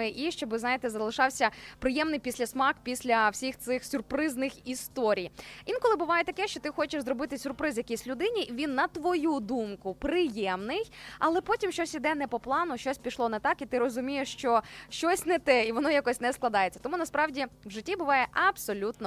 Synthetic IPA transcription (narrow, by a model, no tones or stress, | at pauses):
ɪʔiʃt͡ʃɔbɪznɑjet̪ɛzɐlˠɪʃɑwsʲɐpɾɪjɛmnɪjpʲisʲlʲɐsmɑkpʲisʲlʲɐwsʲixt̪sɪxsʲʊrpɾɪznɪxist̪ɔɾʲijʋʲinkɔlˠɪbʊʋɑjɛt̪ɐkɛʃt͡ʃɔt̪ɪxɔt͡ʃɪʃzɾɔbɪt̪ɪsʲʊrpɾɪzjɐkʲijsʲlʲʊd̪ɪnʲiʔʋʲinːɐt̪ʋɔjud̪umkʊpɾɪjɛmnɪjɐ̰lˠɛpɔtʲimʃt͡ʃɔsʲid̪ɛnɛpɔplˠɑnʊʃt͡ʃɔsʲpʲiʃlˠɔnɛt̪ɑkit̪ɪɾɔzʊmʲijeʂt͡ʃɔʃt͡ʃɔsʲnɛt̪ɛiʋɔnɔjakɔsʲnɛsklˠɐd̪ɑjet͡sʲːɐ̥t̪ɔmunɐspɾɑwdʲiwʒɪtʲːibʊʋɑjɛʔɐbsɔlʲut̪nɔ